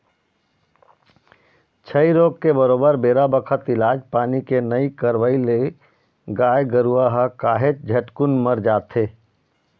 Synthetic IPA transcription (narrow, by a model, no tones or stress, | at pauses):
t͡ʃʰəiɾoːɡkebəɾoːbəɾbeːɾabəkʰət̪ɪlaːd͡ʒpaːnikenəikəɾʋəile | ɡaːjɡəɾuaɦəkaːɦet͡ʃd͡ʒʱəʈkunməɾd͡ʒaːt̪ʰe